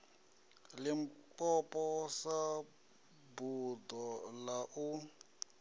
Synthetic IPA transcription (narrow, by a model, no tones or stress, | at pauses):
limpʼɔpʼɔsa | bud̪ɔlaʔu